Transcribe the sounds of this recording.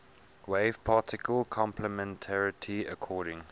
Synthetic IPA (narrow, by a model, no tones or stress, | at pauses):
weɪv̥pʰɑːˑtɪkʰəlˠkʰɔ̃mpʰləmɛ̃ntʰaɹɪtʰiəkʰɔːɾɪ̃ŋ